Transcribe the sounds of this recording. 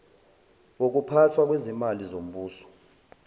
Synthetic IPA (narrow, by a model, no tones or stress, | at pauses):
wok̬upʰatʰwak̬wezimalizom̩ɓuːsɔ̥